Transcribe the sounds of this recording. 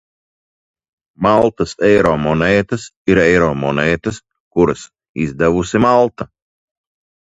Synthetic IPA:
malˠt̪ɐsɛjɾɔːmɔnɛːt̪ɐsiɾɛjɾɔːmɔnɛːt̪ɐs | kuɾɨs | izd̪ɛvusʲimalˠt̪ɐ

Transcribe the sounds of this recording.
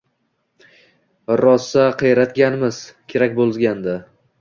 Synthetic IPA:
ɾɒsːaqʰejɾat̪ɡʲanmɪzkʲʰe̞ɾakʲbolˠzɡʲand̪a

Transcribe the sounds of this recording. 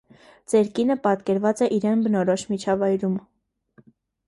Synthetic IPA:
t͡sɛɾkinəpɑt̪kɛɾvɑt͡sɛʔiɾɛnbənɔɾɔʃmit͡ʃʰɑvɑjɾum

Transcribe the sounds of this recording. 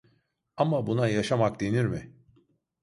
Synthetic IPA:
amabunajaʃamak̚d̪e̞niɾmɪ

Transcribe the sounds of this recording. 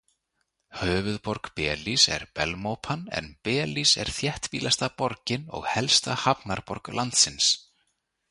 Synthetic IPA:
hœːvʏðpɔɾkpɛːlisɛ̰ɾpɛlmowpʰanɛ̰npɛːlisɛ̰ɾ̥θjɛht̪piːlast̪apɔɾcɪnɔ̰ɣhɛlst̪ahapnaɾpɔɾklʔant̪sɪns

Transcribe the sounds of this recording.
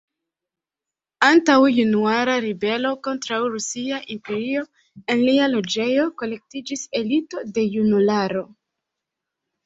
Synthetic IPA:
antawjunuaɾaɾibe̞lo̞ko̞ntɾawɾusiaʔimpe̞ɾio̞ | e̞nlialo̞d͡ʒe̞jo̞ko̞le̞k̚tid͡ʒise̞lito̞de̞junulaɾo̞

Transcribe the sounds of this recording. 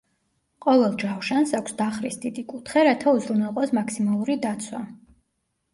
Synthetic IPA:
qʼɔvɛlˠd͡ʒawʃansakʰʷsd̪aχɾisd̪id̪ikʼut̪ʰχɛɾat̪ʰauzɾunɛlˠqʼɔsmakʰsimalˠuɾid̪at̪sʰwa

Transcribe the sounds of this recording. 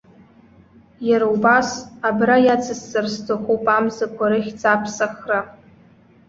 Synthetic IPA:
jaɾawbasabrajat͡sʰɨsːɨrstʰoχuwpʼamzɨkʷʰaɾɨχʲt͡sʰʼapʰsaχra

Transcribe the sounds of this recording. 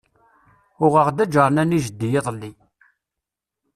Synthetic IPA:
ʊʁəʁd̪æd͡ʒəɾˤnæniʒəd̪ːijeðˤlːi

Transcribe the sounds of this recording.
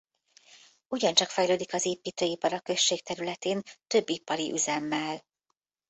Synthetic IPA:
uɟɒnt͡ʃɒkfɛjløːd̪ikɒzeːpiːt̪øːipɒɾɒkø̞ʃːeːk̚t̪ɛɾylɛt̪eːnt̪ø̞bːipɒɾiʔyzɛmːɛl

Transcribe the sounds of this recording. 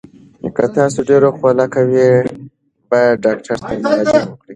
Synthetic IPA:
kat̪ɑsoɖeɾoxolakawi | bɑjad̪̚ɖɑkʈʰaɾt̪ʰamʊɾad͡ʒawəkɽi

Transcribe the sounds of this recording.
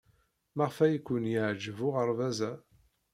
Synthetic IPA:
maʁfæjikʷːʊnjəʕd͡ʒəvʊʁəɾˤvæzæ

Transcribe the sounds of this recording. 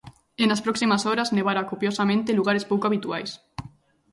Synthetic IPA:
enaspɾɔksimasoɾazneβaɾakopjosamẽnt̪eluɣaɾespowkoaβit̪uajs

